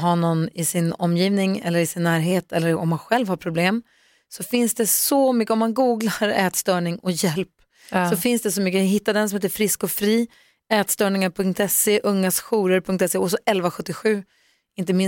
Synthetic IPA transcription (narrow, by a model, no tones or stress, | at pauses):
ɦaɳɔnːɪsɪnɔmːjiːvnɪŋɛ̰lːəɾɪsɪnːæːɾɦeːt̪ʰɛlːəɾɔ̰mːanɧɛlvhaɾpʰɾʊbleːm | sɔfɪnsd̪ɛsɔmʏkːəɔmːanɡuːɡlaɾɛːt̪st̪œːɳɪŋɔjɛlp | sɔfɪnsd̪ɛsɔmʏk̬ːəɦɪt̪ːad̪ɛnsɔmheːt̪əɾfɾɪskɔfɾiː | ɛːt̪st̪œːɳɪŋaɾpʰɵŋk̚t̪ɛseʔɵŋːasɧuːɾəɾpʰɵŋk̚t̪ɛsːeɔsɔʔɛlvaɧɵt̪ːɪɧʉ̟ː | ɪnt̪̬əmɪ